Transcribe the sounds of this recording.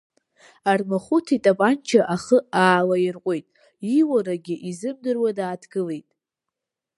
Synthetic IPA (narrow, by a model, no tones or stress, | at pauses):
armaχutʰitʼapʼant͡ʃʰaʔaχəaːlairqʷʼojtʼ | iwaɾaɡʲɪʔizɨb̚dɨrwadaːtʰɡɨle̞jtʼ